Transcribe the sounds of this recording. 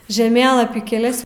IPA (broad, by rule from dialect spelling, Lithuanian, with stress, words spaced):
ʒʲɛˈmʲeːlˠɐpʲiː kʲɛˈlʲɛs